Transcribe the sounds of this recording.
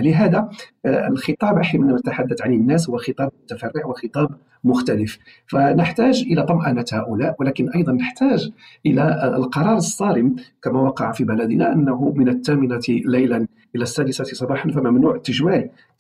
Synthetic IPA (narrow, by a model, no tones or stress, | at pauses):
ləɦæd̪æəlxət̪ˤɑbʔaħimənːæmænət̪aħad̪ːat̪ʕanənːæs̬hʊwːæxət̪ˤɑb̚mʊt̪æfærːɪʕwəxət̪ˤɑb | mʊxt̪æləf | fænəħt̪æʒʔəlæt̪ˤɑmʔɑnæt̪hæʔʊlæʔwəlækənʔɑjd̪ˤɑnːəħt̪æʒʔəlæəlqɑɾˤɑɾˤəsˤːɑɾəmkæmæwɑqɑʕfibælæd̪ənæʔənːæɦʊmənət̪ːæmɪnalæjlæn | ʔəlæsːæd̪əsæt̪sˤɑbɑħɑnfæmæmnuʕt̪ːəʒwæl